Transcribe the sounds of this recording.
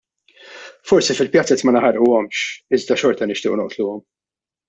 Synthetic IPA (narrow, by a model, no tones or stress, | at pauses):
fɔɾsifɪlpjɐt͡sːɛt̪mɐnɐħɐɾʔuɔmʃɪzd̪ɐʃɔɾt̪ɐnɪʃt̪ɪːʔunɔʔt̪luːɔm